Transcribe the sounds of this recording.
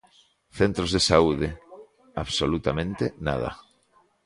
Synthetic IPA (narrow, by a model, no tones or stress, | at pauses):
θent̪ɾozðesauðe | aβsolut̪amẽnt̪ena̰ð̞a̰